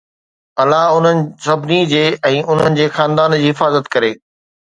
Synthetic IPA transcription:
ɐlaɦʊn̤ənɪ̆sɐbʱnid͡ʑeːɛ̃ːʔʊn̤ənɪ̆d͡ʑeːxaːnd̪aːnd͡ʑiːɦɪfaːzət̪kɐɾeː

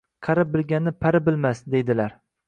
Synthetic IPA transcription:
qʰɑɾap̚bɪlɡʲanːɪpʰaɾɪbɪlmasd̪e̞jd̪ɪlaɾ

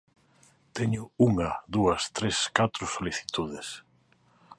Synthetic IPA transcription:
t̪ɛɲʊuŋaðuɐst̪ɾeskat̪ɾʊsoliθi̥t̪uð̞ɪs

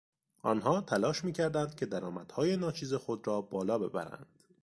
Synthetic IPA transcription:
ʔɒnɦɒːt̪ʰælɒːʃmiːcʰæɾd̪ænd̪̥̚cʰʲe̞d̪æɾɒːmæd̪̥hɒːje̞nɒːt͡ʃʰiːzexod̪ɾɒːbɒːlɒːbe̞̰bæ̰ɾæ̰nd̪̥

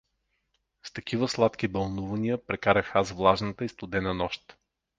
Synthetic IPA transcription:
st̪ɐkivəslˠat̪kibɐlˠnuvɐnijəpɾɛkaɾəxazvlˠaʒnət̪əist̪ʊd̪ɛnənɔʃt̪

